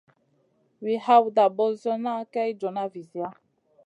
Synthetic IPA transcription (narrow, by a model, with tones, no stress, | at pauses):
wi˨ha˦wda˨bɔ˨zɔ˦na˦kɛ˦jd͡ʒɔ˨na˦vi˨zi˨a˦